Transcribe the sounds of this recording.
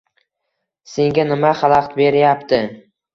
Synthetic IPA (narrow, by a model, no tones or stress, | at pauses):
se̞ŋɡʲanɪmaχɑlˠɑqt̪be̞ɾjapt̪ʰɪ